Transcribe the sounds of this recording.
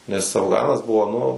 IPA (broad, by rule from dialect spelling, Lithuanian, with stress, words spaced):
nʲɛs ɐfˈɡɑːnɐs ˈbʊʋoː ˈnʊ